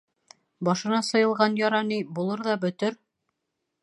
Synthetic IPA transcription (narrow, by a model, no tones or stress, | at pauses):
bɑʃɤ̆nɑsɤ̆jɤ̆lˠʁɑnjɑɾɑnibulˠɤɾðɑbɵ̆t̪ɘɾ